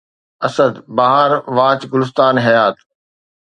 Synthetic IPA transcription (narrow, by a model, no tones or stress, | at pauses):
ɐsəd̪baːɦəɾʋaːt͡ɕɡʊlɪs̬t̪aːnɦɐjaːt̪